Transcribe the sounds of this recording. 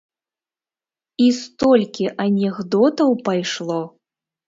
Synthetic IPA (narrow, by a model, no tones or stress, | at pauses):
ist̪ɔlʲkʲiʔɐnʲɛɣd̪ɔt̪ɐwpajʂlˠɔ